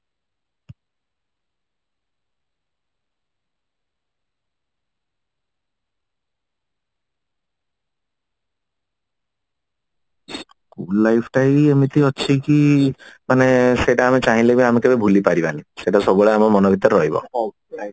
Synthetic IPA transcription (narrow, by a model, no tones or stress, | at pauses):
kulːajpʰʈajemit̪ʰiɔt͡ʃʰikimaneseʈaːmit͡ʃaɦĩlebiamikebebʱulipaɾibaniseʈasɔbuɭeamɔmɔnɔbʱit̪ɔɾɾɔɦibɔ̰